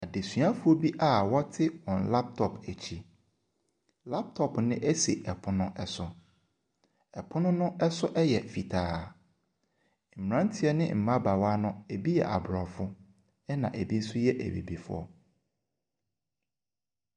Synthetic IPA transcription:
a˨de˨sɥa˦fʊ˦ɔ˦bi˦ʔa˦˨wɔ˦tʰɪ˦wɔ̃˨nla˦p̚tʰɔ˨pæ˨t͡ɕʰi˦ | la˦p̚tʰɔ˨pnɪ̃˦ʔɛ˦se˨ʔɛ˨pʰʊ˦nʊ̃˦ɛ˦sʊ˨ | ɛ˨pʰʊ˦nʊ̃˦nʊ̃˦ɛ˦sʊ˦ʔɛ˦jɛ˨fi˨tʰaː˦ | m̩˨m˨ã˦n̩˦tʰɪ˦ɛ˦nɪ̰̃˦m̩˨mã˦ba˨wa˦nʊ̃˦e˨bi˦jɛ̰˨ʔa˨bɾɔ˨fʊ˦ | ɛ˦nã̰˨ʔæ˨bi˦n̩˦sʊ˦jɛ˦ʔæ̰˨bḛ˨bi˨fʊ̰˦ɔ̰˦

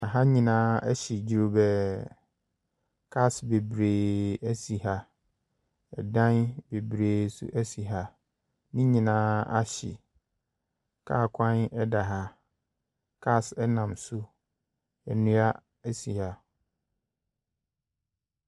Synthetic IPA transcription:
a˨ɦa˦ɲĩ˨nãː˦ɛ˦ɕɪ˨d͡ʑi˨ɾo˨bɛ˦ | kʰa˦˨sbe˨bɾeː˨æ˦si˨ɦa˦ | ɛ̰˨dã˦nbe˨bɾeː˨sʊ̰˦ʔæ˦si˨ɦa˦ | nɪ̃˦ɲĩ˨nãː˦a˦ɕɪ̰˨ | kʰa̰ː˦˨kʷʰã˦nɛ˦da˨ɦa˦ | kʰa˦˨sɛ˦nã˨msʊ˦ | ɛ˨nũ˦a˦ | æ˦si˨ha˦

